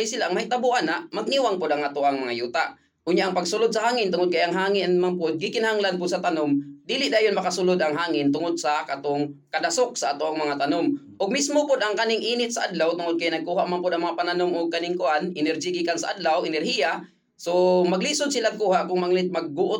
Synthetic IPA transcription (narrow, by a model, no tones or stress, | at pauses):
jsɪlaʔaŋmait̪abʊʔanaʔmaɡ̚niwaŋpʊd̪aŋʔat̪ʊʔaŋmɐŋajuːt̪aʔ | ʊnɲjaʔaŋpaɡsʊlʊd̪̚sahaːŋɪnt̪ʊŋʊd̪̚kajaŋɦaːŋɪnmaŋpʊd̪̚ɡɪkɪnahaŋlanpʊd̪̚sat̪anʊmd̪iːlɪʔd̪aːjonmɐakasʊlʊd̪ʔaŋɦaːŋɪnt̪ʊŋʊd̪̚sakat̪ʊŋkad̪asʊk̚saʔat̪ʊʔŋmɐŋat̪anʊm | ʔʊɡ̚mismopʊd̪aŋkanɪŋʔiːnɪt̪̚saʔad̪lawt̪ʊŋʊd̪̚kajnɐɡ̚kuːɦaʔmanpʊd̪ʔaŋmaŋapananʊmʔʊɡ̚kanɪŋkʊʔanɪnɛɾd͡ʒiɡikansaʔad̪lawɪnɛrhija | somaɡlisʊd̪sɪlaɡ̚kuːhaʔkʊŋmaŋlɪt̪̚maɡ̚ːʊʔʊ